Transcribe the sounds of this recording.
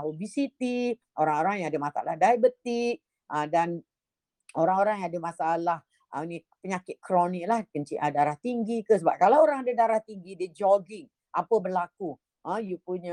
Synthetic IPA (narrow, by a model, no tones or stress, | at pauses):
ubisit̪i | ʔoɾaŋoɾaŋjaŋadəmasa̰lahdajabət̪iʔ̚ | ʔə̃dan | oɾaŋoɾaŋjãŋadəmasaalah | ʔəni | pəɲakɪt̪̚kɾɔnɪk̚lahkəɲt͡ʃiʔadaɾaht̪iŋɡikəs̬əbap̚kalawoɾaŋadadaɾaht̪iŋɡidəd͡ʒɔɡɪŋ | ʔapəbərlaku | ʔə̃jupuɲa